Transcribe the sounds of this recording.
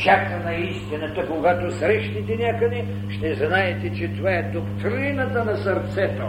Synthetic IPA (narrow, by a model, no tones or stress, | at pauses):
t͡ʃakt̪ənɐist̪inɐt̪əkoɡat̪osɾɛʃt̪it̪ɛnʲakəd̪ɛ | ʃt̪ɛznaɛt̪ɛt͡ʃɛt̪ovaɛd̪okt̪ɾinət̪ənɐsɐɾt̪sɛt̪o